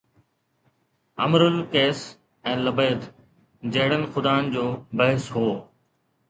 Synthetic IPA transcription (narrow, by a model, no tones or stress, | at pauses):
ɐ̰mɾʊlkeːs | ɛ̃ːləbeːd̪ | d͡ʑeɦɪɽənxʊd̪aːnd͡ʑoːbɐɦɪsɦoː